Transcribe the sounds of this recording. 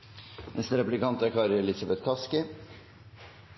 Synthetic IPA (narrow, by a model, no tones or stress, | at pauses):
mɛst̪ɾɛplɪkɑnt̪ækʰɑːɾəɛlɪsɑbɛt̪kʰɑskɪ